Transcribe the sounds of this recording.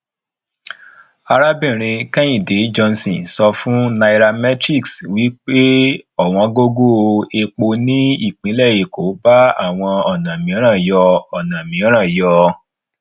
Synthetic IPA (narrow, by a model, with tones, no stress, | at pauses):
a˧ɾa˦bĩ˦˨ɾ̃ĩ˧kɛ̃˦ĩ˨de˨˦d͡ʒɔ˧nsĩ˨sɔ˧fũ˦na˧i˧ɾa˧mɛ˦tɾi˦˨kswi˨˦k͡pe˦ɔ˦˨w̃ɔ̃˧ɡo˦ɡo˦˧e˧k͡po˧nĩ˦i˦˨k͡pĩ˨˦lɛ˦˨ji˨ko˨˦ba˦a˦˨w̃ɔ̃˧ɔ˨nã˨mĩ˨˦ɔ̃˦ɾ̃ã˦˨jɔ˧ɔ˨nã˨mĩ˨˦ɔ̃˦ɾ̃ã˦˨jɔ˧